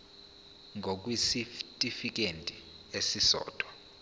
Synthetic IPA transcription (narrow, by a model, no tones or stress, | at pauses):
ŋʱok̬ʼwisiftʼifik̬ʼentʼi | esisɔ̰ːd̥ʱwa